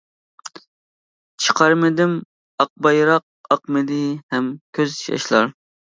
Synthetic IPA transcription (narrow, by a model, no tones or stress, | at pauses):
t͡ʃʰə̥qʰɑɾmɪd̪ɪm | ɑq̚bɑjɾɑq̚ɑqmɨd̪ɪhɛmkʲʰøzjɑ̰ʃlˠɑ̰ɾ